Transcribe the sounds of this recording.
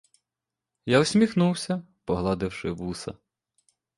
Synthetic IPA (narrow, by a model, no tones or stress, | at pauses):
jawsʲmʲixnuwsʲɐ | pɔɦlˠɑd̪ɪwʃɪʋusɐ̰